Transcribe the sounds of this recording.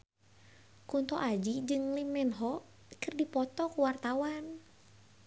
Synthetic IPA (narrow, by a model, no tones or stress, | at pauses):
kunt̪ɔʔad͡ʒid͡ʒɨŋlimːɛnɦɔ | kɨrdipɔt̪ɔkuwart̪awan